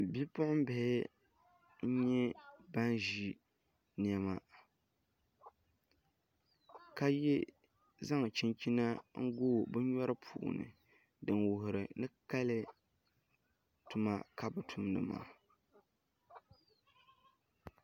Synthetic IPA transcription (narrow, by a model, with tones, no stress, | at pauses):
bi˦pʊ˦ʔʊ˦m˦bɪ˨hɪ˦ | ɲ̩˦ɲɛ˦ba˦nʒi˦ | n˨ɛ˨ma˦ | ka˦jɛ˦ | za˦ŋ˨t͡ʃi˦nt͡ʃi˦na˦ŋ̩˦ɡoː˦˨bɨ˦ɲɔ˦ɾɨ˦pʰṵː˨ʔʊ̰˨nɨ̰˨ | dɨ˨nwʊ˨ɦʊ˨ɾɨ˨nɨ˦ka˦lɨ˦ | tʊ˨ma˦ka˦bɨ˨tʰu˦mnɨ̰˨ma̰ː˨